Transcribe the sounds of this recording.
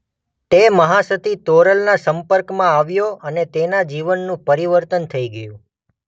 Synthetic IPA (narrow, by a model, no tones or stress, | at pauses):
t̪eməɦasət̪ʰit̪oɾəlnasəmpəɾkmãaʋjoənet̪enad͡ʒiʋənːũpəɾiʋəɾt̪ənt̪ʰəiɡəjũ